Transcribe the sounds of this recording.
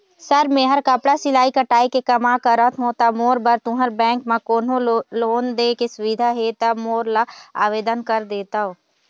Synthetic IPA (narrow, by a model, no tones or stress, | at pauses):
sɐɾmẽɦəɾkɐpɽasɪlaːikəʈaːikekɐmakəɾət̪ɦõːt̪amoːɾbəɾt̪ʊ̃ɦəɾbɛ̃ːŋkmãkoːnoloːnd̪eːkesʊʋid̪ʱaɦeːt̪amoːɾlaaːʋeːd̪ənkɐɾd̪eːt̪aɦoː